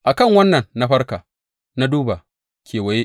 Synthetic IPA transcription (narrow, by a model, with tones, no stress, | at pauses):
ʔa˨kɐ˦˨ŋwɐ˦nːɐ˨nːa˦ɸɐ˦rkaː˨ | na˦duː˦ba˨ | kʲʰeː˨wɐ˨je˦ʔ